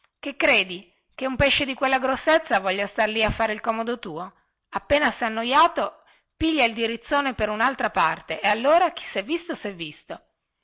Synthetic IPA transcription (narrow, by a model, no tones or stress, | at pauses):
kekːɾeːd̪i | keumpeʃːed̪ikwelːaɡɾosːet̪sːavɔʎːast̪arliafːaːɾeilkɔːmod̪ot̪uːo | apːeːnasɛanːojaːt̪o | piʎːaild̪iɾit̪sːoːnepeɾunalt̪ɾapart̪eʔealːoːɾak̟i̥sɛvːist̪osɛvːist̪o